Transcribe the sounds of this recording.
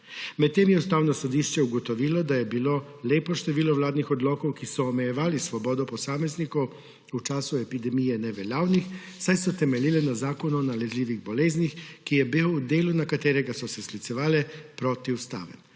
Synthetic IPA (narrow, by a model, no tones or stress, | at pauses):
mɛt̪ːeːmjɛust̪aːwnɔsɔd̪iʃt͡ʃɛuɡɔt̪ɔʋiːlɔd̪ajɛbilo | leːpɔʃt̪ɛʋiːlɔʋlaːd̪nixɔd̪lɔːkɔwkisɔːmɛjɛʋaːlisʋɔbɔːd̪ɔpɔsaːmɛznikɔw | ut͡ʃaːsuɛpid̪ɛmijɛnɛʋɛljaːwnix | sajsɔt̪ɛmɛliːlɛnazaːkɔnuːnalɛzliːʋiɣbɔleːznixkijɛbiwud̪eːlunakat̪eːɾɛɡasɔsɛslit̪sɛʋaːlɛpɾoːt̪iust̪a̰ːʋɛ̰n